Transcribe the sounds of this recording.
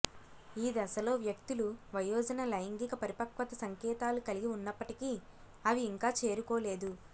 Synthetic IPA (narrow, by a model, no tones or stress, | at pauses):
iːd̪ɐsɐlo̞ːʋjɐkt̪uluʋɐjɔːd͡ʒɐnɐlɐjɐŋɡikɐpɐɾipɐkʋɐt̪ɐsɐŋkɛːt̪aːlukɐliɡiunːɐpːɐʈiki | ɐʋiːŋkaːt͡ʃe̞ːɾukoːle̞ːd̪u